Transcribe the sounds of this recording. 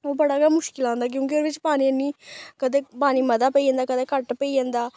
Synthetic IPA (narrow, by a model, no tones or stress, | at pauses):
oːbəɽaːaːmʊʃkɪlãːnd̪aːk̬jõːkioːɾʋɪt͡ʃpaːniːəniːkəd̪eːpaːniːməd̪aːpəiːd͡ʒãːnd̪aːkəd̪eːkəʈpəiːd͡ʒãːnd̪aː